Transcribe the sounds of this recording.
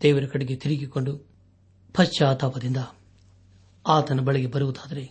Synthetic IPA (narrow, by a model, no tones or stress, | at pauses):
d̪̥ɛːʋɐɾɐkɐɽiɡet̪iɾiɡiko̞ɳɖu | pʰɐt͡ʃt͡ʃːaːt̪ʰaːpɐd̪ind̪ɐ | aːt̪ɐnːɐbɐɭiɡebɐɾuʋut̪aːd̪ɐɾe